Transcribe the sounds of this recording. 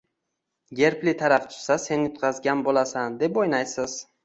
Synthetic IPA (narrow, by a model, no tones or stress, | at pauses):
ɡʲe̞ɾplit̪ʰaɾaft̪ʰʊ̥sase̞nɪjʊt̪̚qʰɑzɡʲanbolˠasand̪e̞pojnajsɪz̥